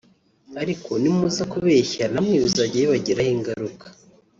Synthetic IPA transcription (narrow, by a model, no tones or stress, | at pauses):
aɾikʰo̞nimuzakuβeçanamŋiːβuzaɟijeβaɟiɾahiŋɡaɾukḁ